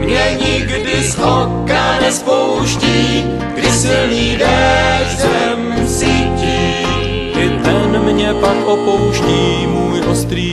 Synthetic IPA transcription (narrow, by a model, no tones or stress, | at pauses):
mɲɛɲɪɡdɪzʔokanɛspowʃciː | ɡ̥dɪsɪlniːdɛzɛmsiːciː | ʔɪt̪ɛnmɲɛpakʔopowʃciː | muːjʔost̪ɾiː